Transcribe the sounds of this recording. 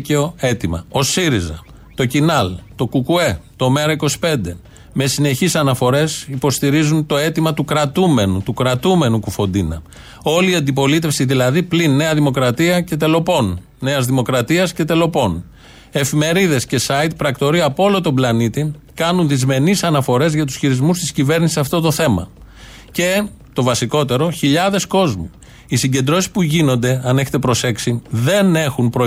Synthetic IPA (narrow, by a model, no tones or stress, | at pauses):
ceo̞e̞t̪imɐ̰o̞siɾizɐ̰ | t̪o̞cinɐlt̪o̞kukue̞t̪o̞me̞ɾɐiko̞si̥pe̞nd̪e̞ | me̞sine̞çisɐnɐfo̞ɾe̞sipo̞st̪iɾizunt̪o̞e̞t̪imɐt̪ukɾɐt̪ume̞nut̪ukɾɐt̪ume̞nukufo̞nd̪inɐ̰ | o̞liːɐnd̪ipo̞lit̪e̞fsiðilɐðiplinːe̞ɐðimo̞kɾɐt̪iɐce̞t̪e̞lo̞po̞nː | e̞ɐzðimo̞kɾɐt̪iɐsce̞t̪e̞lo̞po̞n | e̞fime̞ɾiðe̞sce̞sɐit̪̚pɾɐkt̪o̞ɾiɐpoolo̞t̪o̞mblɐnit̪ikɐnunðizme̞nisɐnɐfo̞ɾe̞zʝɐt̪usçiɾizmust̪i̥scive̞ɾnisisɐft̪o̞t̪o̞θe̞mɐ̰ | ce̞ | t̪o̞vɐsiko̞t̪e̞ɾo̞çiʎɐðe̞sko̞zmi | isiɲɟe̞nd̪ɾo̞si̥spuʝino̞nd̪e̞ɐne̞çet̪e̞pɾo̞se̞ksiðe̞ne̞xunpɾo